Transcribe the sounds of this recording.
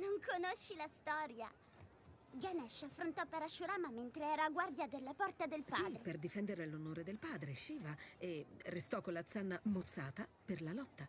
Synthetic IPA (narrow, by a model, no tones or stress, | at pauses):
noŋkonoʃːilast̪ɔːɾja̰ | ɡanɛʃːafːɾont̪ɔpːeɾaʃːuɾaːmament̪ɾeɛːɾaːɡward̪jad̪elːapɔrt̪ad̪elpaperd̪ifɛnd̪eɾelonoːɾed̪elpaːd̪ɾeʃiːvaerːest̪ɔkːolːat̪sanːamot̪sːaːt̪aperlalɔt̪ːa